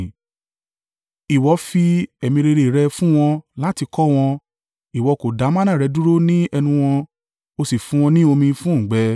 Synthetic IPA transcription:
i˨wɔ˨˦fi˧ɛ˨mĩ˧ɾe˧ɾe˧˨ɾɛ˧fũ˦w̃ɔ̃˧la˦ti˧kɔ˦w̃ɔ̃˧ | i˨wɔ˧ko˨da˨˦mã˦nã˦˨ɾɛ˨˧˦du˦ɾo˦nĩ˦ɛ˧nũ˧w̃ɔ̃˧ | o˧si˨fũ˨˦w̃ɔ̃˧nĩ˦o˧mĩ˧fũ˦˨ɡ͡bɛ˨˦

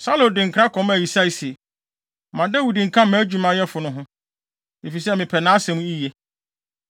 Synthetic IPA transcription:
sa˦lõ˨dɪ̃˨ŋ̩˨kʰɾa˦kʰɔ̃˨˦m˦æ˨ji˨sa˦i˨sɛ˨ | mã˨dɛ˦wu˨dĩ˨ŋ̩˨kʰã˦mã˦d͡ʑᶣu˨mã˦jɛ˦fʊ˨nʊ̃˦ɦʊ̃˦ | e˨fi˨s̬ɛ˦mɪ̃˨pʰɛ˨nã˦sɛ˨mũ˦i˦je˦

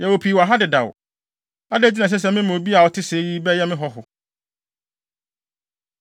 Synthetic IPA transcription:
jɛ˨wo˨pʰi˨wa˨ɦa˦dɪ˨da̰˨w | a˦dɛ˦˨d͡ʑi˦nã˨s̬ɛ˦s̬ɛ˦˨mɪ̃˦mõ˨bi˦a˨wɔ˨tʰɪ˦se˨˦ji˦bɛ˦jɛ˦mɪ̃˦ɦɔ˦ɦʊ˨

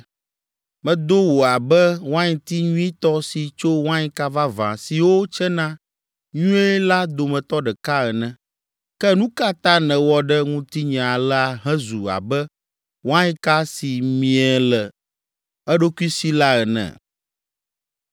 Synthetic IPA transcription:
mɛ̃˨d̪o˦wo˨a˨bɛ˦wã˦ɲĩ˨t̪i˦ɲũ˦i˦t̪ɔ˦si˨t͡ʃo˦wã˦ɲĩ˦ka˦va˦vã̰˨si˨wo˦t͡ʃɛ˦nã˦ | ɲũ˦ɛ˦la˦d̪o˨mɛ̃˨t̪ɔ˦ɖɛ˨ka˦ɛ˨nɛ̃˨ | kɛ˦nũ˦ka˦t̪ã˦nɛ̃˨wɔ˦ɖɛ˦ŋũ˦t̪i˦ɲɛ̃˨a˨la˨ɦɛ̃˦zu˨a̰˨bɛ˦ | wã˦ɲĩ˦ka˦si˨mĩ˨ɛ˨lɛ˨ | ɛ˦ɖo˦ku˦i˦si˦la˦ɛ˨nɛ̰̃˨

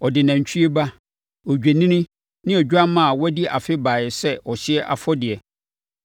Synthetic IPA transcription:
ɔ˨dɪ˨nã˨ɲ˨t͡ɕᶣʰi˦e˦ba˦ | ɔ˨d͡ʑᶣe˨nĩ˦nĩ˦ | nɪ̃˦ɔ˨d͡ʑᶣa˦mã˦a˨wɔ˦di˦ʔa˨fɪ˦baː˨jɪ˨sɛ˦ɔ˨ɕɪ˦ɛ˦ʔa̰˨fɔ˦dɪ˨ɛ˨

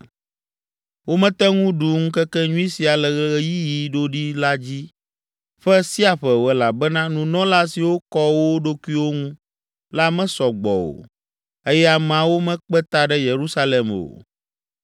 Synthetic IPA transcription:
wo˦mɛ̃˦t̪ɛ˦ŋũ˦ɖu˨ŋũ˦kɛ˦kɛ˦ɲũ˦i˦si˨a˨lɛ˨ɣɛ˦ɣɛ˦ji˦ji˨ɖo˦ɖi˦la˦d͡ʑi˦ | ɸɛ˦si˦a˨ɸɛ˨wɛ˨la˨bɛ˦nã˦nũ˨nɔ̃˦la˦si˨wo˦kɔ˦wo˦ɖo˦ku˦i˦wo˦ŋũ˦ | la˦mɛ̃˦sɔ˨ɡ͡bɔ̰˨wo̰˨ | e˦jɛ˦a˨m˨ã˨wo˦mɛ̃˦k͡pɛ˦t̪a˦ɖɛ˦je˨ɾu˦sa˦lɛ˨mo̰˨

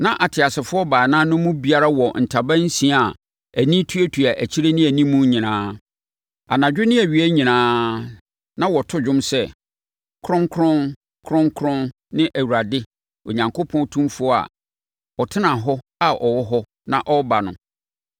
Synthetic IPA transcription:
nã˦ʔa˨tʰɪ˨a˨sɪ˨fʊ˦ɔ˦ba˨nã˦nʊ̃˦mũ˦bi˨a˦ɾa˦wɔ˨n̩˨tʰa˨bã˦n̩˦sĩ˨a˨ | æ˨nĩ˦tʰu˦æ˦tʰu˨a˨ʔæ˨t͡ɕʰi˦ɾe˦nɪ̃˦æ˨nĩ˦mũ˦ɲĩ˨nãː˦ | a̰˨nã˨d͡ʑᶣʊ˦nɪ̃˦æ˨ɥi˨æ˦ɲĩ˨nãː˦ | nã˦wɔ˨tʰʊ˦d͡ʑᶣʊ̃˦msɛ˦ | kʰɾʊ̃˦ŋkʰɾʊ̃˦n | kʰɾʊ̃˦ŋkʰɾʊ̃˦n | nɪ̃˦ʔæ˨wu˨ɾa˨dɪ˦ | o̰˨ɲã˨ŋkʰo˦pʰɔ̃˦n˦tʰũ˦mfʊ˦ɔ˦a̰˨ | ɔ˨tʰɪ˦nã˨ɦɔ˦ | a˨ʔɔ˨wɔ˦ɦɔ˦ | nã˦ʔɔ˦ba˨nʊ̃˦

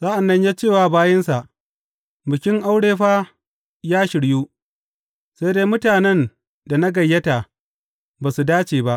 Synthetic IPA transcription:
z̥aː˦ʔa˨nːɐ˦ɲjaː˦t͡ʃeː˦˨waː˨baː˦jɐ˦nsa˨ʔ | bɪ˨kʲɪ˦ŋʔa˦wɽeː˦ɸaː˦ | jaː˦ʃɪ˨ɽjuː˦ | sa˦jdeː˦mʊ˦taː˨nɛ˦n | da˨na˦ɡɐ˨jːɐ˦ta˨ | baː˨su˨daː˦t͡ʃeː˨ba˦ʔ

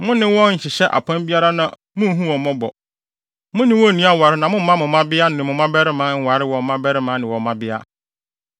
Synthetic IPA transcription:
mʊ̃˦nɪ̃˦wɔ̃˦ɲ̩˨ɕɪ˨ɕɛ˦ʔa̰˨pʰã˦nbi˦a˦ɾa˦nã̰˨ | mʊ̃˦ɦũ˦wɔ̃˨mɔ̃˦bɔ̰˨ | mʊ̃˦nɪ̃˦wɔ̃˦˨nĩ˦a˦˨wa˨ɾɪ˦nã˨mʊ̃˦mã˦mʊ̃˨mã˦bɪ˦a˦nɪ̃˨mʊ̃˨mã˦bɛ˦ɾɪ˦mã˦ŋ̩˦wa˨ɾɪ˦wɔ˨˦mã˦bɛ˦ɾɪ˦mã˨˦nɪ̃˨wɔ˨mã˦bɪ˦a̰˦

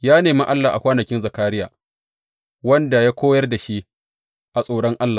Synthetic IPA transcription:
jaː˦neː˨mi˦ʔa˦lːaː˨ʔa̰˨kʷaː˦nɐ˨kʲɪ˦nza˨kaː˦ɽɪ˦ja̰ː˨ | wɐ˦nda˨jaː˦kʷoː˦jɐ˦rda˨ʃi˦ʔ | ʔa˨sʼoː˨ɽɔ˦ŋʔa˦lːa˨

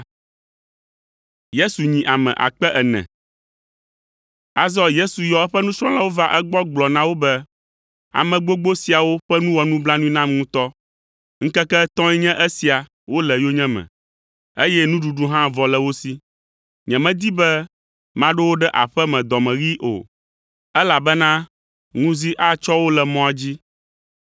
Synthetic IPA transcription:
je˦su˨ɲĩ˨ʔa˨mɛ̰̃˨ʔa̰˨k͡pɛ˦ʔɛ˨nɛ̰̃˨ | a˨zɔ˦je˦su˨jɔ˨ɛ˦ɸɛ˦nũ˦sɾɔ̃˦la˦wo˦va˦ʔɛ˦ɡ͡bɔ˦ɡ͡blɔ˨nã˦wo˦bɛ˦ | a̰˨mɛ̃˨ɡ͡bo˦ɡ͡bo˦si˨a˨wo˦ɸɛ˦nũ˦wɔ˨nũ˦bla˦nũ˦ĩ˦nã˦mŋũ˦t̪ɔ˦ | ŋ̩˦kɛ˦kɛ˦t̪ɔ̃˦jɛ˦ɲɛ̃˦ʔɛ˦si˨a˨ | wo˦lɛ˨jo˦ɲɛ̃˦mɛ̰̃˨ | e˦jɛ˦nũ˦ɖu˨ɖu˦ɦã˦vɔ˨lɛ˨wo˦si˦ | ɲɛ̃˨mɛ̃˦d̪i˦bɛ˦ | mã˦ɖɛ˦wo˦ɖɛ˦ʔa̰˨ɸɛ˦mɛ̃˨d̪ɔ˨mɛ̃˨ɣi˦ʔo̰˨ | ɛ˦la˨bɛ˦nã˦ | ŋũ˦zi˦ʔa˦t͡ʃɔ˦wo˦lɛ˨mɔ̃˦a˨d͡ʑi˦

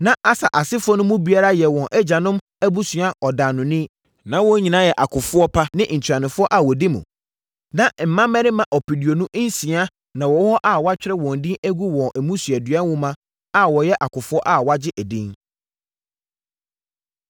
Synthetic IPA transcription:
nã˦ʔa˦sa˨ʔa˨sɪ˦fʊ˦ɔ˦nʊ̃˦mũ˦bi˦a˦ɾa˦jɛ˨wɔ̃˨nʔɛ˦d͡ʑa˨nʊ̃˦m | æ˦bu˦sɥa˦ɔ˨daː˨nʊ̃˨nɪ̃˦ | nã˦wɔ˦ɲĩ˨nã˦jɛ˨ʔa˨kʰʊ˨fʊ˦ɔ˦pʰa˦nɪ̃˦n̩˨t͡ɕʰᶣɾa˨nɪ̃˨fʊ˦ɔ˦ʔa˨wɔ˨di˦mṵ̃˨ | nã˦m̩˨mã˦mɛ̃˦ɾɪ̃˦mã˨ʔɔ˨pʰi˨di˨o˨nʊ̃˦ʔn̩˦sĩ˨a˦ | nã˨wɔ˨˦hɔ˦ʔa˨wa˦t͡ɕᶣɪ˦ɾɛ˦wɔ̃˨n̩˨dĩ˦æ˦ɡu˦wɔ̃˨nʔɛ˨mũ˦sɥɛ˨dɥɛ˦n˦wʊ̃˦mã˦ | a˨wɔ˨jɛ˦ʔa˨kʰʊ˨fʊ˦ɔ˦ʔa˦˨wa˦d͡ʑɪ˦ʔæ˨dĩ˦ŋ

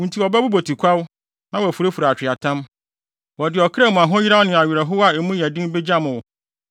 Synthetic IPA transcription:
ũ˨n˨tʰi˨ɔ˨bɛ˦bu˦bo˨tʰi˨kʷʰa˦w | nã˦wɔ˨æ˨fu˨ɾe˦fu˨ɾa˨t͡ɕᶣɪ˨a˨tʰã˦m | wɔ˨dɪ˨ɔ˨kʰɾɛ˦˨mũ˨a˨ɦʊ̃˦ji˦ɾa˦nɪ̃˨a˨ɥɪ˨ɾɛ˨ɦʊ˦wa˦˨ɛ˨mũ˦jæ˨dĩ˦m˦be˦d͡ʑa˦mʊ̃˨wʊ˨

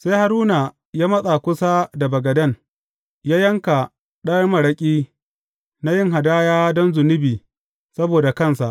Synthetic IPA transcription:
se˦jha˨ɾuː˦na˨ | jaː˦mɐ˦sʼa˨kʷʊ˦sa˦da˨bɐ˨ɡɐ˨dɐ˦ŋ | jaː˦jɐ˦ŋka˨ | ɗɐ˦rmɐ˨ɽɐ˦kʲʼiː˦ | na˦jɪ˦ŋɦa˨daː˦jaː˦dɔ˦nzʊ˨nɪ˦biː˨ | sɐ˦boː˨da˨kɐ˦˨nsa˨ʔ

